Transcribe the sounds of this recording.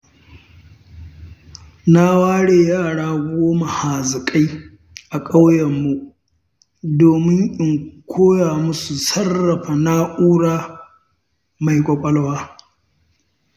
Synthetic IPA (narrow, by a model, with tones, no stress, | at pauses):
na˦waː˦ɽeː˨jaː˦˨ɽaː˦ɡʷʊ˦oː˦ma˨haː˨zɪ˨kʼa˦j | ʔa˨kʼa˦wjɐ˨mːu˦ | doː˨mɪ˦ŋʔʼɪ˨ŋkʷʰoː˦jaː˨mʊ˦su˨sɐ˦rːɐ˨ɸa˨na˦ʔuː˦ɽaː˦ | ma˨jkʷʼɔ˨ɓʼɐ˦lwaː˦